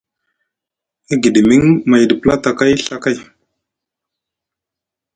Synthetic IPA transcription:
i˦ɡi˨di˨mi˦ŋma˨jdə˨pə˦la˦ta˨ka˦jɬa˨ka˦˨j

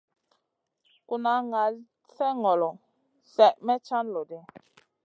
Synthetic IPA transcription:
ku˦na˨˦ŋa˨˦ | sɛ˦ŋɔ˨lɔ˨ | sɛ˨ʔmɛ˦t͡ʃa˦n˨lo˨dɛ˦

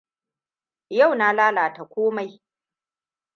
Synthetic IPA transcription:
ja˦˨wnaː˦laː˦laː˨ta˨kʷoː˦ma˨j

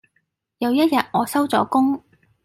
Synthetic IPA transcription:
jɐ˨˧wjɐ˥t̚jɐ˨t̚ŋɔː˨˧sɐ˥wt͡sɔː˨˥kʊ˥ŋ

